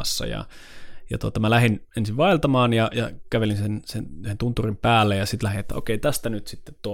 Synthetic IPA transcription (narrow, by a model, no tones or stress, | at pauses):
ɑsːɑ̰jɑ̰jɑ̰t̪uot̪ɑmælæhinensiʋʋɑilt̪ɑmɑːnjɑjɑkæʋelinsensenhent̪unt̪ːurimpæːlːejɑsit̪læhinet̪ːæ̰ʔo̰keit̪æst̪ænyt̪sit̪ːet̪t̪uo